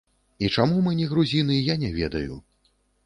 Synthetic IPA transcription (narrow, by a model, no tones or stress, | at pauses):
it͡ʂamumɨnʲɛɣɾuzʲinɨjjanʲɛvʲɛd̪ɐjṵ